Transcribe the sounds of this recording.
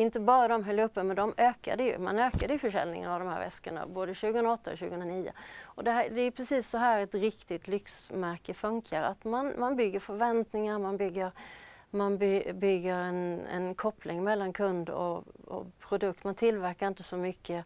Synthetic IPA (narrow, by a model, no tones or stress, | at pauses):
ɪnt̪əbɑːɾad̪ɔmɦœlːəɵpːəmɛnd̪ɔmøːka̰d̪əjɵ̰ma̰nøːkad̪əjɵfœʂɛ̰lnɪ̰ŋa̰ɾavd̪ɔmhæ̰ɾvɛ̰skəɳa̰boːd̪əɕʉ̟ːɡəhɵnɾaɔt̪ːaɔ̰ɕʉːɡəhənɾaniːʊ̰ɔd̪ɛæd̪ɛæɾpʰɾɛsiːsːɔɦæːɾɛt̪ɾɪkt̪ɪt̪lʏksmæɾkəfɵŋkʰaɾa̰t̪manmanbʏɡːəɾfœɾvɛnt̪nɪŋaɾmanbʏɡːəɾ | manbbʏɡːəɾɛnɛ̰nkʰɔpʰlɪŋmɛlːankʰɵnd̪ɔ̰ɔ̰pʰɾʊd̪ɵkt̪mant̪ʰɪlvæɾkaɾɪnt̪əsɔmʏkʰːə